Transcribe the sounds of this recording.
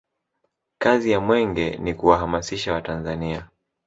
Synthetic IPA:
kazijamwɛŋɡɛnikuwaɦamasiʃawatanzania

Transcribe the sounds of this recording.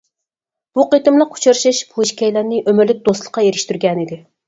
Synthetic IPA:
b̥uqet̪ɨmlˠəqʰːu̥t͡ʃʰɑɾʃɨʃbʰuiʃkʲɛjlænnɪʔømɪɾlɪk̚ʲd̪oslˠə̥qʰːɑjeɾɪʃt̪yɾɡʲɛnid̪ɪ

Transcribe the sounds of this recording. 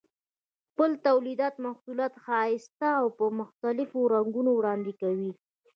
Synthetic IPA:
xpəlt̪awlid̪ɑt̪maxsulɑt̪xɑɪst̪aːwpəmʊxt̪alɪfoɾaŋɡunowɽɑnd̪ekawi

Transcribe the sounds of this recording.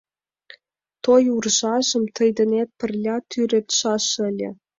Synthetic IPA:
t̪ojurʒɑʒə̆mt̪ə̆jd̪ə̆net̪̚pə̆rlʲɑt̪ʰyɾet̪ʃɑʃə̆lʲḛ̆

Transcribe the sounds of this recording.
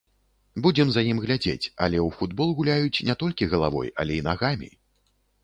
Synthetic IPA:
bud͡zʲɛmzajimɣlʲad͡zʲḛt͡sʲɐ̰lʲɛwfud̪bɔlˠɣulʲajut͡sʲnʲɛt̪ɔlʲkʲiɣɐlˠavɔ̰jɐ̰lʲɛinaɣamʲḭ

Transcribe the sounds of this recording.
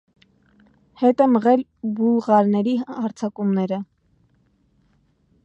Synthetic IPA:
hɛt̪ɛməʁɛl | buʁɑɾnɛɾiɑɾt͡sʰɑkumnɛɾə

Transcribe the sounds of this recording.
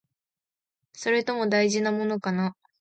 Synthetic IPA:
so̞ɾe̞t̪o̞mo̞d̪aiʑinamo̞no̞kana

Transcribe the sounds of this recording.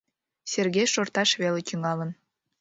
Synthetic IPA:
sʲerɣʲejʃort̪ɑʃβelet̪ʲyŋɑlə̆n

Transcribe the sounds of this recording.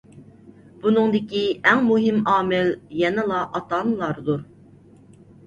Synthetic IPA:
b̥unɨŋd̪ɪkʲiɛŋmuɦɪmɑːmɪljɛnɪlˠɑʔɑt̪ɑnɨlˠɑɾd̪uɾ

